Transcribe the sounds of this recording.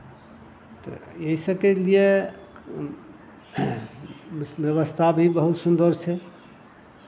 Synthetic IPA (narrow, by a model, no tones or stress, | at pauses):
t̪ɔ̰jeisəkelije | bjəβəst̪ʰabʱibəɦut̪sund̪əɾt͡ʃʰɛ